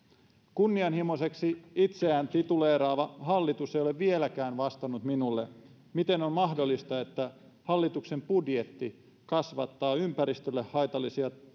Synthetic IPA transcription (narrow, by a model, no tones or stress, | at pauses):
kunːiɑnhimose̞ksiit̪se̞æːnt̪it̪uleːɾɑːʋɑɦɑlːit̪usejoleʋʋielækæːnʋɑst̪ɑnut̪minulːe | mit̪e̞no̞mmɑɦdo̞lːist̪ɑe̞t̪ːæ | hɑlːit̪ukse̞mpudje̞t̪ːi | kɑsʋɑt̪ːɑːympæɾist̪ølːehhɑjt̪ɑlːisiɑ